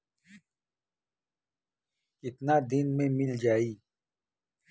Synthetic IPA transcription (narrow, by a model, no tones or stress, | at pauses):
ɪt̪naːd̪inmẽmɪld͡ʒaːiː